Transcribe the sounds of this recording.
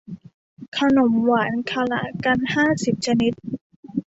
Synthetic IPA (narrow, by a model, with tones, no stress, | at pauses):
kʰa˧no˩˦mwaː˩˦nkʰa˧la̰˦˥ʔka˧nhaː˥˩si˨˩p̚t͡ɕʰa˧ni˦˥t̪̚